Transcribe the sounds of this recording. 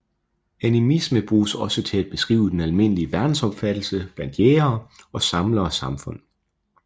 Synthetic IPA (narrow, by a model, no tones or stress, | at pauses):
enimisməb̥ʁuːsɒ̽sət͡sʰe̝læd̥̚b̥e̝sɡ̥ʁḭːʊd̥enælme̝n̰əliəʋæɐd̥n̩sɒ̽b̥fæd̥l̩səb̥lænd̥jeːɐːɒ̽sɑ̈mlɐːsɑ̈mfɔ̽n̰